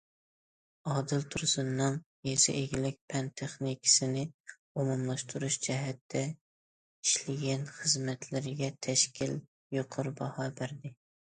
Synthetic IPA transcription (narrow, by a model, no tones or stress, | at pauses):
ɑːd̪ɨlt̪ʰuɾsɨnːɨŋ | jesɪ̰ʔeɡʲilɪk̚ʲpʰɛnt̪ʰeχnikʲʰɪ̥sɪnɪ | omumlˠɑʃt̪ʰuɾuʃd͡ʒɛɦɛt̪ʰːɛ | iʃlɪɡʲɛnχəzmɛt̪ʰlɪɾɪɡʲɛt̪ʰɛʃkʲil | joqʰʊɾbɑhɑːbæɾd̪ɪ